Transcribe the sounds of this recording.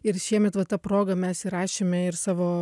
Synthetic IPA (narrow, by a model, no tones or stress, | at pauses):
ɪɾʃʲiɛmʲɛt̪ʋɐt̪ɑːpɾoːɡɐmʲɛsiɾɑːʃʲeːmʲɛɪɾsɑːʋoː